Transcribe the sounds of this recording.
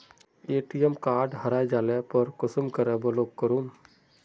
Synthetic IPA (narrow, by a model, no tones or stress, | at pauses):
eːʈijəmkaːɾɖɦəɾaːjd͡ʒaːlepəɾkʊsəmkəɾəbəloːkkːəɾuːn